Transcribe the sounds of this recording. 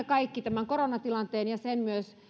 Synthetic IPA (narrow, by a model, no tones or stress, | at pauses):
ekɑikːit̪æmæŋkoronɑt̪ilɑnt̪eːnjɑsenmyøs